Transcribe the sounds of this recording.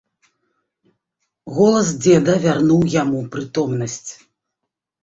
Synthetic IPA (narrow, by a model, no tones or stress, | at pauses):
ɣɔlˠɐs̬d͡zʲɛd̪ɐvʲarnuwjamupɾɨt̪ɔmnɐsʲt͡sʲ